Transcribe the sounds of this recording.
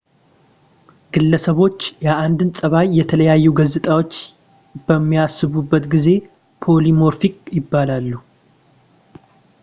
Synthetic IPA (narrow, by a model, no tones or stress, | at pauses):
ɡ̥ɨlːəsəβo̞t͡ʃːjaʔand̪ɨnsʼəβajːɛt̪ʰələjajːuɡəzɨt̪ʼawo̞t͡ʃː | bəmːijasːɨβubːət̪ɡize̞ | pʰo̞limo̞ɾfikʼjɪbːalalːu